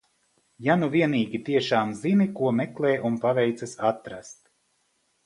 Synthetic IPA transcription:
januviɛniːɡʲit̪iɛʃaːmzinikuɔmɛklˠɛːʔunpavɛjt̪sasat̪ɾast̪

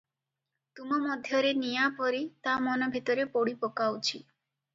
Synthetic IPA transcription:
t̪umɔmɔd̪ʱjɔɾenijapɔɾit̪amɔnɔbʱit̪ɔɾepoɽipɔkawt͡ʃʰi

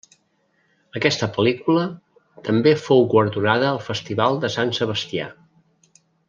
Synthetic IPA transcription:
əkɛst̪əpəlikulə | t̪əmbefowɣwəɾðunaðəːlˠfəst̪iβalˠd̪əsansəβ̞əst̪ia̰

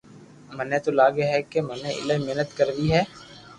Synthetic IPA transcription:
mənẽt̪olaːɡeɦɛkemɐnẽʔɪ̰ləmeɦnət̪kəɾd̪iɦɛː

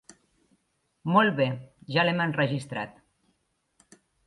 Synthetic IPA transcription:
mɔlˠβeʒalemənrəʒist̪ɾa̰t̪

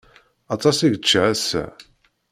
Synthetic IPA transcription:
ɑt̪ˤɑsiʝət͡ʃːæsæ̰

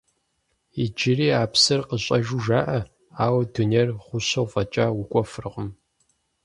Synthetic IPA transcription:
id͡ʒɪriːaːpsɨrqəɕʼɐʒuʒaːʔɐ | aːwɐduneːrʁʷʊɕɐwfɐt͡ʃʼaːwukʷʼɔfɨrɨʁəm

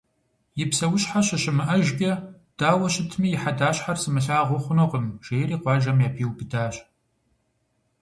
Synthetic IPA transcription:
jɪpsɐwʊɕħaɕɐɕɪmɨʔɐʒɡʲɐ | d̥aːwɐʃɕɪtʰmiːjɪħadaːɕħarsɨmɨɬaːʁʷʊχʷʊnoːqəmʒ̥eːjɾiːqʷɑːʒɐmjaːpʰiːwbɨdaːɕ

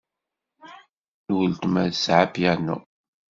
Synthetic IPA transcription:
nwəlt̪mæðsʕapjanṵ

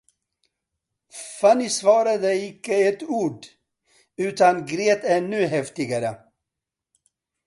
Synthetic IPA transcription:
fanɪsvɑːɾad̪əɪkːəɛt̪uːɖ | ʉ̟ːt̪anɡɾeːt̪æɳʉːɦɛft̪ɪɡaɾə

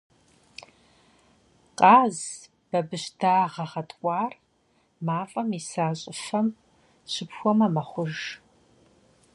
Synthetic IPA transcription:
qʼɑːz | b̥ɐbɨɕdaːʁɐʁɐtʼkʷʼɑːr | maːfʼɐmisaːɕʼɪfɐm | ɕɪpxʷɔmɐmɐχʷʊʒ

